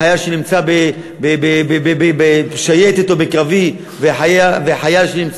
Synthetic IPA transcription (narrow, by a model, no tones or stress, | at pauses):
ajaʃenimt͡sabe | bebebebebebeʃajet̪et̪obekʁavi | veħajaveħajaʃenimt͡s